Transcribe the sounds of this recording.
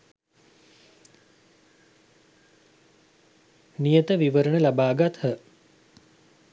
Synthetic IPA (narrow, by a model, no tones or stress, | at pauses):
nijət̪əʋiʋəɾəɳəlabaːɡat̪hə